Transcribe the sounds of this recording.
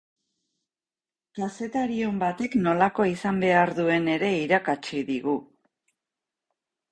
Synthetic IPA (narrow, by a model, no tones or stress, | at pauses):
kase̞t̪aɾio̞mbat̪e̞kno̞lako̞isambe̞aɾðue̞ne̞ɾe̞iɾakat͡ʃiðiɣu